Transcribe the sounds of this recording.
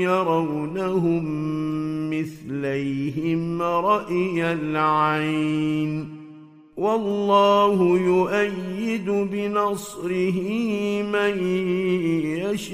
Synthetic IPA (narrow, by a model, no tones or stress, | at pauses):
ɑɾˤɑwnaɦʊmː | ɪθlajɦɪmɾˤɑʔjalʕajn | wɑlːɑːhʊjʊʔajːɪd̪ʊbɪnɑsˤɾɪɦɪmaj | jaʃ